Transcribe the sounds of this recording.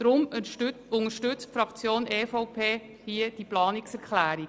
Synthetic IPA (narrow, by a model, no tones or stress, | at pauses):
ɾʊm | ʊŋəʃtʏt͡stfɾɑkt͡sjoːnʔeːfɔʊpʰeː | hiːəd̥iplɑːniksɛɾkʰlæːɾi